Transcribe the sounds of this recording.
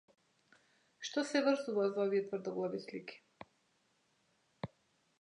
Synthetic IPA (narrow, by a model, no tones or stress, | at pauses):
ʃt̪ɔsɛvərzuvazaɔviɛt̪vərd̪ɔɡlˠavisliki̥